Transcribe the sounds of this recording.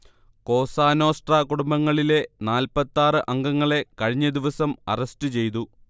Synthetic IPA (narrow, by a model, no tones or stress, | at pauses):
ko̞ːsaːno̞ːsʈrɐkuɽumbɐŋːɐɭile̞naːlpɐt̪ːaːrɨʔɐŋɡɐŋːɐɭe̞kɐɻiɲːɐd̪iʋɐsɐmɐ̰rɐstɨt͡ɕe̞jt̪̬u